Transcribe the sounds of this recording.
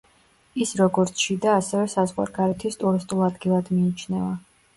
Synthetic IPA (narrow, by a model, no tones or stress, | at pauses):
isɾɔɡɔɾt̪sʰʃid̪aːsɛvɛsazʁwa̰ɾɡaɾɛt̪ʰist̪ʼuɾist̪ʼulˠad̪ɡilˠad̪miːt͡ʃʰnɛva